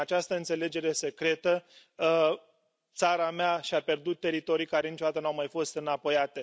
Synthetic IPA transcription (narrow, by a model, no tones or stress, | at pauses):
at͡ʃast̪əɨnt̪sele̞d͡ʒe̞ɾe̞se̞kɾe̞t̪ə | t̪saɾameaʃiape̞rd̪ut̪̚ːe̞ɾit̪o̞ɾijkaɾe̞nit͡ʃod̪at̪ənuawmajfo̞st̪ɨnapo̞jat̪e̞